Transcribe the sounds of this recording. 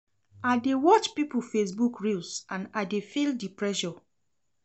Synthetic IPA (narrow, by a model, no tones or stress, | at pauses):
adewɔt͡ʃpipufesbukɹilsãnadefildipɹɛʃɔ